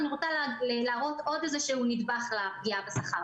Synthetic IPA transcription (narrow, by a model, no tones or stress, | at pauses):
aniʁot͡salllaːʁo̞t̪o̞d̪ezeʃeunid̪baχlap̚ɡiabesaχaʁ